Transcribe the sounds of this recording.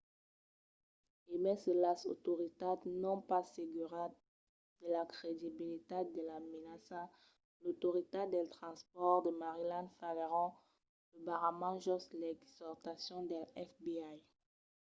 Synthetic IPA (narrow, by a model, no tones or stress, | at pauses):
emɛsəlaso̰t̪oʁit̪adnɔ̃paseɡyʁa | d̪̥əlakʁed̪ibilit̪ed̪əlamenasa | lot̪oʁit̪ad̪ɛlt̪χɑ̃spɔʁd̪əmaʁilãnfaleʁɔ̃ | ləbaʁamɑ̃ʒɔslɛksɔʁt̪asjɔ̃d̪əlɛfbiaj